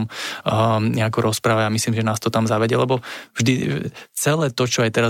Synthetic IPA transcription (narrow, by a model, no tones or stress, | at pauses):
m | ɲɛakɔɾʔɔspɾaːʋaamisliːmʒɛnaːst̪ɔt̪amzaʋɛɟɛlɛbɔvʒd̪it͡sɛlɛːt̪ɔt͡ʃɔajt̪ɛɾa